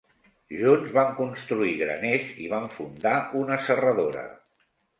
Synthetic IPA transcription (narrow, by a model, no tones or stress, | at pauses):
ʒunzβaŋkunst̪ɾuiɣɾə̰nezḭβ̞aɱfund̪aunəsərəðoɾə̰